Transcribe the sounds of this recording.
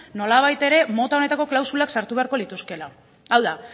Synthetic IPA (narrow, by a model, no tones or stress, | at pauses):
no̞laβ̞ajt̪e̞ɾe̞mo̞t̪ao̞ne̞t̪ako̞klawsulaksaɾt̪uβe̞aɾko̞lit̪uske̞la | awða